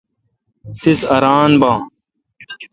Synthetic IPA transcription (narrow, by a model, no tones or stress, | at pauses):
t̪isɐɾaːnbãː